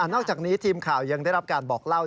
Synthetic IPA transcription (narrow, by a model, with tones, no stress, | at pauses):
ʔa˨˩nɔː˥˩k̚t͡ɕaː˨˩k̚niː˦˥t̪ʰiː˧mkʰaː˨˩wja˧ŋda˥˩jɾa˦˥p̚kaː˧nbɔː˨˩k̚la˥˩w